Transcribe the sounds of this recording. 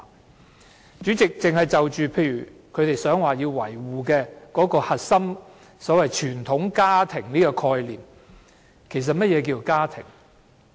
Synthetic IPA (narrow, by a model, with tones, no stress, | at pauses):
t͡ʃyː˨˥t͡sɪ˨k̚t͡sɪ˨ŋhɐ˨jt͡sɐ˨wt͡ʃyː˨pʰe˧jyː˨˩kʰɵ˨˧t̪e˨jsœː˨˥ŋwaː˨jiː˧wwɐ˨˩jwuː˨kɛː˧kɔː˨˥kɔː˧hɐ˨t̚sɐ˥m | sɔː˨˥wɐ˨jt͡ʃʰyː˨˩nt̪ʰʊ˨˥ŋkaː˥t̪ʰɪ˨˩ŋniː˥kɔː˧kʰɔː˧jliː˨˩m | kʰe˨˩js̬ɐ˨t̚mɐ˥t̚jɛː˨˧k̬iː˧kaː˥t̪ʰɪ̰˨˩ŋ